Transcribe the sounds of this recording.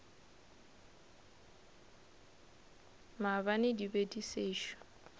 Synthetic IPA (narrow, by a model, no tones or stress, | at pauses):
mabanɪdibediseːʃɔ̥